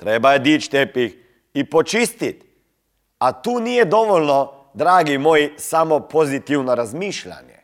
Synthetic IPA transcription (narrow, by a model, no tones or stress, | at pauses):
t̪ɾeːbajɛd̪iːt̪ʃt̪eːpix | ipɔt͡ʃiːst̪it̪ | at̪uːniːjɛd̪ɔʋɔlnɔ | d̪ɾaːɡimoːjsamɔpozit̪iwnɔɾazmiːʃla̰njɛ̰